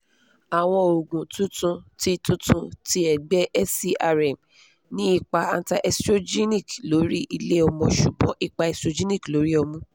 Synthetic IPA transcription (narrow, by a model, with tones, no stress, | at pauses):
a˨w̃ɔ̃˧o˨ɡũ˨tũ˦tũ˧ti˧tũ˦tũ˧ti˧ɛ˨ɡ͡bɛ˦ʔɛ˦si˦a˧ɾɛ˨m | nĩ˦i˦˧k͡pa˧a˧nta˧ʔɛ˧stɾo˦d͡ʒi˦ni˦˨klo˨˦ɾi˦ʔi˧le˦ɔ˧mɔ̃˧ʃu˨bɔ̃˨˦ʔi˧k͡pa˧ɛ˧stɾo˧d͡ʒi˦nĩ˦˨klo˨˦ɾi˦ɔ˧mũ˦